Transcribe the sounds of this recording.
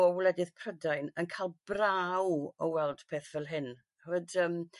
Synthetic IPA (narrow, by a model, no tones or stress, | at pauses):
ɔwlɛdɨðpʰrədajnənkʰalˠb̥rawɔwɛlˠd̥pʰeːθv̥ɛlˠɦɪn | ədəm